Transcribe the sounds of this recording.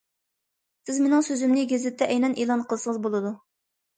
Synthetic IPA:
sɪzmenɪŋsøzymnɪɡʲezɪt̪ʰːɛʔɛjnɛnʔeːlˠɑnqʰəlˠsəŋəzbolˠɨd̪u

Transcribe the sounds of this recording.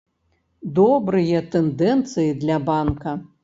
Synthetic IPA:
d̪ɔbɾɨjɐt̪ɛnd̪ɛnt̪sɨjid̪lʲɐbankɐ

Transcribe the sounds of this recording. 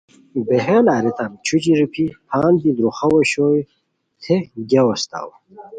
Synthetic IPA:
beɦelaːɾit̪ʰamt͡ɕʰud͡ʑiɾipʰipʰaːnd̪id̪ɾuχɐwɐɕoːj | t̪ʰeɡʲɐwɐst̪a̰w

